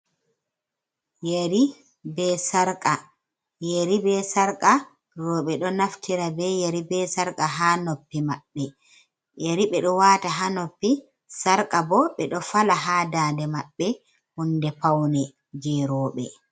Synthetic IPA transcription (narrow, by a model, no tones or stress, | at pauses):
jeɾi | bɛsaɾkʼa | jeɾibɛsaɾkʼa | ɾɔɓɛɗɔnaftʰiɾabɛjeɾibɛsaɾkʼaɦaːnopːimaɓːɛ | jeɾiɓɛɗɔwaːtaɦanopːi | saɾkʼabɔɓɛɗɔfalaɦaːdaːndɛmaɓːɛ | hundɛpawnɛ | d͡ʒɛɾɔːɓɛ̰